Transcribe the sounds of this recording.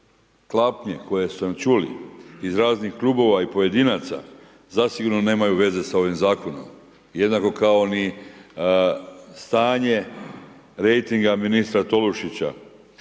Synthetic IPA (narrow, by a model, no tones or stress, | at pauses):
klˠapɲe̞ko̞je̞sunat͡ʃulḭizɾaːznixklˠuːbo̞ʋaipo̞je̞d̪inaːt̪sa̰ | zasiɡuɾno̞ne̞ːmajuʋe̞ze̞sao̞ʋimzaːko̞no̞̰m | je̞d̪nako̞kao̞ni | st̪aːɲe̞ | ɾe̞jt̪iŋɡaminist̪ɾat̪o̞luʃit͡ɕa̰